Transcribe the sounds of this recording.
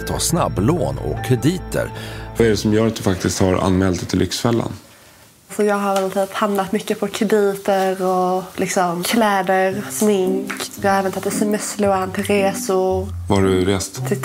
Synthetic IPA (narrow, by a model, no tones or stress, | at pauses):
t̪ʰɑ̰ːsna̰bːloːnɔ̰kʰːɾɛd̪iːt̪ə̰ɾvaɛɖɛsɔmjœːɾat̪̚d̪ɵfak̚t̪ɪst̪haɾa̰nmɛːlt̪ɛt̪ʰɪlːʔʏ̰ksfɛlːa̰n | sɔjɑːɡɦaɾvɛlt̪ʰyːphamnat̪mʏkːəpʰɔkʰɾɛd̪iːt̪əɾɔlɪksɔmkʰlɛːd̪əɾsmɪŋkɑaɛːvənt̪at̪ːɛsɛmɛsːluːant̪ʰɪlɾeːsʊɾvaɖɵɾeːst̪t̪ʰɪ